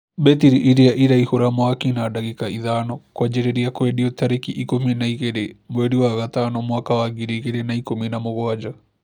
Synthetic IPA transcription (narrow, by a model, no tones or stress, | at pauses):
bɛt̪iɾiʔiɾiaʔiɾaihoɾamoakinadaɣikaʔiðanɔkwad͡ʒɛɾeɾiakwɛdiɔt̪aɾikiʔikominaiɣeɾemoɛɽiwaɣat̪anɔmwakawaɡiɾiɣeɾenaikominamoɣɔad͡ʒa